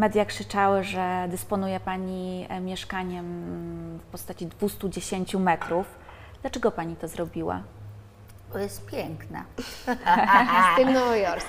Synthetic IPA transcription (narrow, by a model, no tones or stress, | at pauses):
mɛd̪jakʂɘt͡ʂawɘʐɛd̪ɘspɔnujɛpaɲimʲjɛʂkaɲɛm | fpɔst̪at͡ɕid̪vust̪ud͡ʑeɕeɲt͡ɕumɛt̪ɾuf | d̪̥lat͡ʂɛɡɔpaɲit̪ɔzɾɔbʲiwa̰ | bɔjɛst̪pʲjɛŋkna̰ | sɘnɔvɔjɔɾs